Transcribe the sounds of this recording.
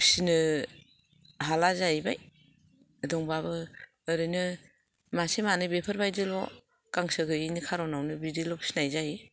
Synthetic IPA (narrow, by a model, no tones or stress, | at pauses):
pʰsinɯ | ɦalazajbaj | dɔŋbaβɯː | ɾɯnɯ | masemanɯbepʰaɾbajdɯlɔ̰ | kaŋsɯɡɯinɯkʰaɾɔnawnɯbidilɔpʰsinajzaj